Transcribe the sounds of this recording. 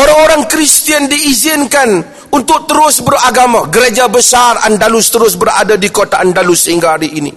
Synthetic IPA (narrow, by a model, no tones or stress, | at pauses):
ʔoɾaŋoɾaŋkɾist̪iəndiːzɪnkan | unt̪ʊk̚t̪əɾʊsbəraɡamãɡəɾed͡ʒabəsara̰ndalʊst̪əɾʊsbəɾa̰dadikot̪aʔandalʊsːəhiŋɡahaɾiinḭ